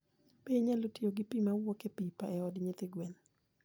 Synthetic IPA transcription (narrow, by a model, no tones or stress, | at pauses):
peɲalotioɡipimawɔkepipaɛɔdɲɪt̪ɪɡwɛn